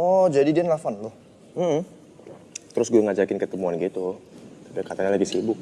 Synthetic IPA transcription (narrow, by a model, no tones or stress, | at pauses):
ɔd͡ʒadidianlafant̪ʊh | m̩m̩ | t̪əɾʊsɡuɛŋad͡ʒakɪnkət̪əmuanɡit̪ut̪apiakat̪aɲalaɡisibʊk̚